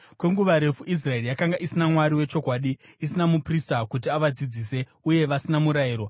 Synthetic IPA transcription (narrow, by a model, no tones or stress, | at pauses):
kwe̞ŋɡuʋaɾe̞fuʔis̬rae̞rijakaŋɡaʔisinamwaɾiwe̞t͡ʃo̞kwaːɗiː | sinamupristakut̬iaʋad͡zid͡ziːse̞ | uje̞ʋasinamuɾaiːɾo̞